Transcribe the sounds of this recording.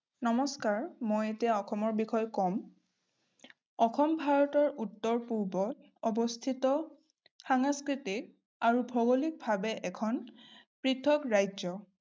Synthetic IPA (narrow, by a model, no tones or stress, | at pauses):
nɔmɔskaɹmojetiaɔxʰɔmɔɹbixɔjkɔm | ɔxɔmbʱaɹɔtɔɹʔutːɔɹpuɹbɔt | ɔbɔst̪ʰitɔ | xaŋaskɹitik̚ | aɹubʱɔɡolik̚bʱabɛʔɛkʰɔnpɹitʰɔkɹajzɔ